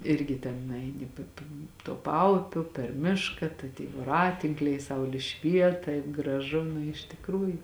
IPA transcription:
ˈɪrʲɡʲɪ tʲɛn nʊˈɛɪnʲɪ pʲeː pʲeː tuɔ ˈpɐʊpʲʊ pʲɛr ˈmʲɪʃkɐ tɐɪ tʲiːj ʋoːˈrɑːtʲɪŋklʲɛɪ ˈsɐʊlʲɪ ˈʃʲʋʲiɛt tɐɪp ɡrɐˈʒʊ nʊ ɪʃ tʲɪkˈruːjʊ

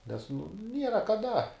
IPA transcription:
nʲɛs nʊ ˈnʲiɛrɐ kɐˈdɐ

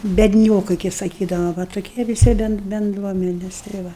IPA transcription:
bʲɛdʲˈnʲoːkɐɪ kɐɪ sɐˈkʲiːdɐʋɐ ʋɐ toːˈkʲiɛ ʋʲɪˈsʲɪ ˈbʲɛn bʲɛnˈdruɔmʲɛnʲɛs tɐɪ ˈʋɐ

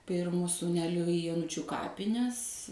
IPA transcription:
ˈpʲɪrmʊ suːˈnʲæːlʲʊ ɪ joːˈnʊt͡ʃʲʊ ˈkɑːpʲɪnʲɛs

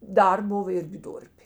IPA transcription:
ˈdɐr ˈbʊʋɐ ˈɪrʲɡʲɪ ˈdʊrʲpʲeː

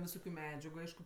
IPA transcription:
ʋʲɪˈsoːkʲʊ ˈmʲæːd͡ʒʲɛɡʊ ˈɐɪʃkʊ

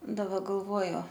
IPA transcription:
dɐˈbɐ ɡɐlˠˈʋuɔjʊ

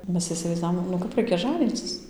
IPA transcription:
ˈmʲɛs ɪsʲɪʋɐɪzˈdɑːʋoːm nʊ ˈkɐp ˈrɐɪkʲɛ ˈʒɑːnʲiːt͡sʲɪs

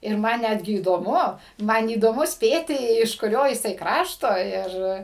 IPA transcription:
ɪr ˈmɐn ˈnʲædʲɡʲɪ iːdoːˈmʊ ˈmɐn iːdoːˈmʊ ˈsʲpʲeːtʲɪ ɪʃ kʊˈrʲoː jɪˈsɐɪ ˈkrɑːʃtoː ˈɪr

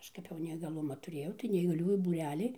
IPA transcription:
ˈɐʃ kɐp jɛʊ nʲɛiːɡɐˈlˠʊmɑː tʊˈrʲeːjɛʊ tɐɪ nʲɛiːɡɐˈlʲuːjuː buːˈrʲæːlʲiː

